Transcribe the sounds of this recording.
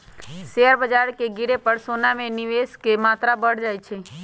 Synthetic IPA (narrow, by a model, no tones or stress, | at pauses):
ʃeəɾbəd͡ʒaɾkeɡiɾepəɾsonamẽniʋeskemat̪ɾabəɽd͡ʒajt͡ʃʰe